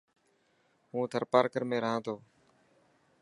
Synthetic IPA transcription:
ɦũːt̪ʰəɾpaːɾkəɾmẽːɾəɦãːt̪ʰoː

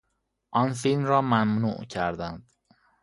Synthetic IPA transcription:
ʔɒːnfilmɾɒːmæmnṵːʔcʰæɾd̪ænd̪̥

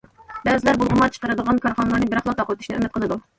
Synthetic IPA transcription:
bɛzɪlæɾbulˠʁʊmɑt͡ʃʰə̥qəɾɨd̪əʁɑnkʰɑɾχɑnəlˠɑɾnɨbɪɾɑχlˠɑt̪ɑqwøt̪y̥ʃnɪʔø̰mːɪt̪qʰəlˠɨd̪u

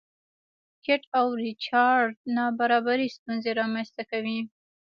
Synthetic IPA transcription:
kɪʈawɾɪt͡ʃɑɾɖnɑbaɾɑbaɾist̪unzeɾɑmanst̪akawi

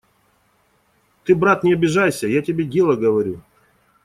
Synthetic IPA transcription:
t̪ɨbɾat̪nʲɪɐbʲɪʐajsʲəjatʲɪbʲedʲe̞lˠəɡəvɐɾʲu

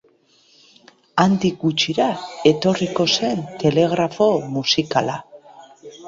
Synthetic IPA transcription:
and̪ik̚ɡut͡ʃiɾae̞t̪o̞riko̞se̞nt̪e̞le̞ɣ̞ɾafo̞musikala

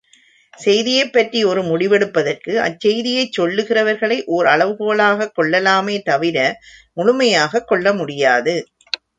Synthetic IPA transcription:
sɛjðɪjɐɪpːɐʈriɔɾɯmʊɽɪʋɛɽɯpːɐðɐrkɯʔɐ̰t͡ʃːɛjðɪjɐɪt͡ʃːɔɭːɯɣɪrɐʋɐɾɣɐɭɐɪʔoːɾɐɭɐʋɯɣoːlaːɣɐkːɔɭːɐlaːmeːt̪ɐʋɪɾɐmʊɻʊmɐjaːɣɐkːɔɭːɐmʊɽɪjaːðɯ

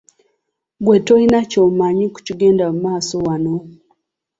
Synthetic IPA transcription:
ɡwetoinacoːmaɲiku̥ciɡe̞ːndamumaːsowano

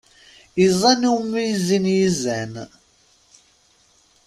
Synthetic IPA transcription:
izˤɑnuwmːijzinjizæn

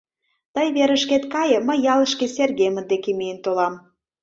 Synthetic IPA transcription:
t̪əjβeɾə̆ʃket̪kɑjə̆məjːɑlə̆ʃkeserɣemə̆nd̪ekemejənt̪olɑm

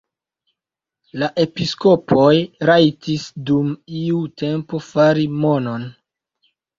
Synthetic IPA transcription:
laʔe̞pisko̞pʰo̞jɾajtisdumiute̞mpo̞faɾimo̞no̞n

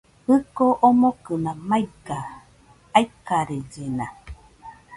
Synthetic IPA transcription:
hɨkoʔomokɯnãmajka | ajkaɾed͡ʒena

